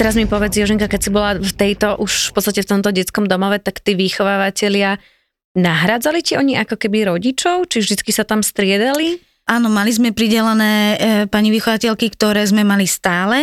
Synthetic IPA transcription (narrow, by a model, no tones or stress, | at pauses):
t̪ɛɾazmipɔʋɛd͡zjɔʒɛŋkakɛcsibɔlaft̪ɛjt̪ɔʔuʃfpɔtt͡st̪acɛft̪ɔmt̪ɔɟɛt͡skɔmd̪ɔmɔʋɛt̪akt̪iːʋixɔʋaːʋacɛʎɪa | naɦɾad͡zaliciɔɲiʔakɔkɛbiɾɔɟit͡ʃɔʊt͡ʃivʒd̪it͡skisat̪amst̪ɾɪɛd̪ali | aːnɔmalizmɛpɾiɟɛlanɛːpaɲiʋixɔʋacɛʎkikt̪ɔɾɛːzmɛmalist̪aːlɛ